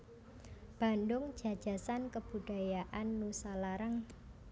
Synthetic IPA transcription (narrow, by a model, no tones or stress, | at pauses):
b̥a̤ndʊŋ̥d͡ʒ̥a̤d̥ʒ̥a̤sankəb̥uɖ̥a̤jaʔanːusalaɾaŋ